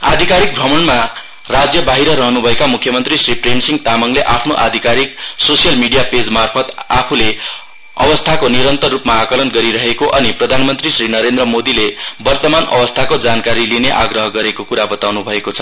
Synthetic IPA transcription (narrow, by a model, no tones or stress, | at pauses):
a̰d̪ʱikaɾik̚bʱrʌmʌnma | rad͡zjʌbaɦiɾʌɾʌɦʌnubʱʌekamukʰjʌmʌnt̪risripʰrensiŋɡt̪amʌŋleʔapʰnoʔa̰d̪ʱikaɾiksosijʌlmiɽijaped͡zmarpʰʌt̪apʰule | ʌ̰bʌst̪ʰakoniɾʌnt̪ʌrrupmaːkʌlʌnɡʌɾiɾʌɦekoʔʌniprʌd̪ʱanmʌnt̪risrinʌɾend̪rʌmod̪ilebʌrt̪ʌmanʌ̰bʌst̪ʰakod͡zankaɾilineʔa̰ɡrʌɦʌɡʌɾekokuɾabʌt̪awnubʱʌekot͡sʰʌ̥